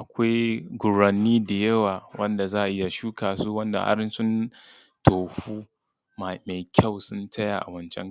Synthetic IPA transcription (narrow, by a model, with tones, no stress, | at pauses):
ʔa˨kʷa˦jɡʷʊ˨ɾɐ˨nːiː˦da˨jɐ˦waː˨wʔɐ˦nda˨zaː˦ʔa˨ʔɪ˦ja˨ʃuː˦kaː˨suː˦wɐ˦nda̰˨ʔa̰˦ɾɪ˦nsʊ˦n | toː˨ɸuː˦ | ma˨ma˨jkʲʰa˦˨wsʊ˦ntʰɐ˦ja˨ʔa̰˨wɐ˦nt͡ʃɛ̰˦ŋ˨